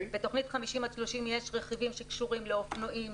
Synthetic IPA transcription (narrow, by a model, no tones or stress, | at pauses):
beto̞χnitχamiʃimaʃloʃimjeʃʁeχivimʃekʃuʁimleofnoʔim